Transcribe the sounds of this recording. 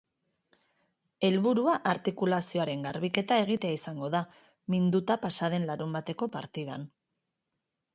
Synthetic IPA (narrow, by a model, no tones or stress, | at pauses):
e̞lβuɾuaʔaɾt̪ikulasio̞aɾe̞ŋɡaɾβike̞t̪ae̞ɣ̞it̪e̞aisaŋɡo̞ða | mind̪ut̪apasað̞e̞nlaɾumbat̪e̞ko̞paɾt̪ið̞a̰n